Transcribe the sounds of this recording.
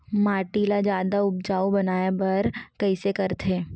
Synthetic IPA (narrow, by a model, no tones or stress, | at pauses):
maːʈilad͡ʒjaːd̪aʊb̚d͡ʒaːubɐnaːjabɐɾkɐisekɐɾt̪ʰeː